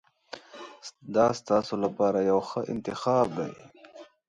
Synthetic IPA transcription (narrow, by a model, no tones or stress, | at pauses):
d̪ɑst̪ɑsolapɑːɾajawxəʔɪ̰nt̪ɪxɑːbd̪a̰j